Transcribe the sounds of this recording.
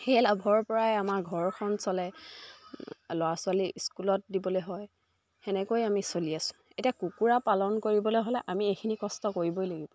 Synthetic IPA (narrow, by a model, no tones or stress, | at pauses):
xelabʱɔɹpɔɹajamaɹɡʱɔɹxʰɔnsɔlɛ | lɔasʊwaliskulɔt̚dibɔlojɦɔj | ɛnɛkojamisoliasʊ̥̃etiakukuɹapalɔnkoɹibɔloɦolɛʔamiekʰinikɔstɔkoɹibɔjlaɡibɔ